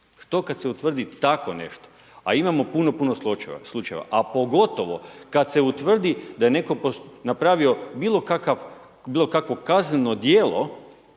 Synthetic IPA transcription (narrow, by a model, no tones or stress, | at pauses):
ʃt̪o̞kad̪seut̪ʋr̩d̪it̪ako̞ne̞̰ʃt̪o̥ | a̰imamo̞puno̞punosut͡ʃslˠut͡ʃaeʋa̰ʔapo̞ɡo̞t̪o̞ʋo̞kad̪se̞ut̪ʋr̩d̪id̪ajene̞ko̞ponapɾaːʋio̞biːlˠo̞kakaʋ | biːlo̞kakʋo̞kazneno̞d̪jeːlo̰